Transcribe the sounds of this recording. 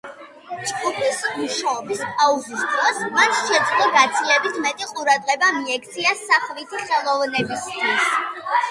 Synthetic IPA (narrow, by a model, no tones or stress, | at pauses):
t͡ʃʼɡʼupʰismuʃaɔbispʼauzisd̪ɾɔsmanʃɛd̪zlɔɡat̪sʰilɛbit̪ʰmɛt̪ʼiqʼuɾad̪ʁɛbamiɛk̚ʰt̪sʰiasaχvit̪ʰiχɛlˠɔvnɛbist̪ʰis